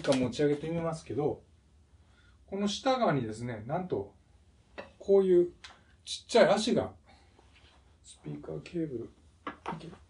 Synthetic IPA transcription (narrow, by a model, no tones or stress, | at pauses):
kamo̞t͡ɕiaɡe̞t̪e̞mʲimasɨ̥ke̞d̪o̞ | ko̞no̞ɕi̥t̪aɡaːɲ̟id̪e̞sɨne̞nãnt̪o̞ | kʰo̞ːjɯ̟ː | t͡ɕi̥t͡ɕːaiaɕiɡa̰ | sɨ̥pʲiːkakʰe̞ːbɯ̟ɾɯ̟ | ake